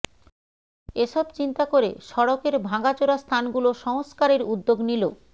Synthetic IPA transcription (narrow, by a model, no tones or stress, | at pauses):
eʃɔbt͡ɕint̪akoɾḛʃɔɽokeɾbʱaɡat͡ɕoɾast̪ʰanɡuloʃɔŋskaɾeɾud̪ːoɡnilo